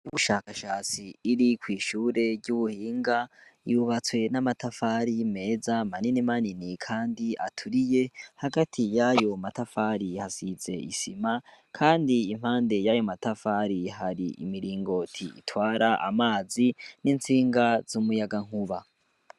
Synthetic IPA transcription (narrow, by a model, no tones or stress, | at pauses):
uβuʃaːkaʃaːt͡siːɾikwiːʃuːɾe̞ɾɟuβuhiːŋɡajuβat͡swe̞namatafaɾime̞ːzamaninimaninikʰaːndiʔa̰tʰuɾije̞haɡatʰijajo̞matafaɾihasize̞̰isimakʰaːndiːm̥haːnde̞jajo̞matafaɾiɦaɾḭḭmiɾiːŋɡo̞tʰiḭtwaːɾaʔa̰maːzinint͡siːŋɡazumujaɡaŋ̥huβa̰